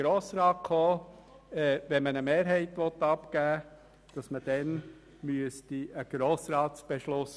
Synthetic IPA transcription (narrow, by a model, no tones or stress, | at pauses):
ɾoːsɾɑːt̚kʰoː | ɛːvɛnmənəmeːɾɦɛɪtʋɔtːɑpɡ̥æː | d̥ɑsməd̥ɛn | myəstiəɡ̥ɾoːsɾɑːtsb̥ɛʃlʊs